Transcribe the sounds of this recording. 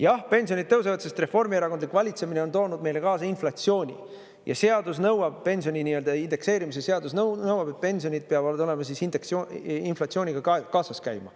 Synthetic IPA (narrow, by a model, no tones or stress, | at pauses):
jɑhpe̞nʲsio̞nʲid̪̚t̪ːɤws̬evɑd̪se̞st̪re̞fo̞rmieɾɑkod̪likvɑlʲit̪se̞mine̞ont̪o̞ːnud̪̚me̞jle̞kɑːsɑinflɑt̪sio̞ːnʲḭ | jɑ̰se̞ɑd̪usnɤwɑb̥̚pe̞nʲs̬io̞nʲiniø̞ld̪̥ɑind̪̥e̞kse̞ːɾimisese̞ɑd̪usnɤnɤwɑb̥e̞t̪̚pe̞nʲsionʲid̪̚peɑbold̪o̞le̞mɑsisind̪eksinflɑt̪sio̞ːniɡ̥ɑɑkɑːsɑskæjmɑ̰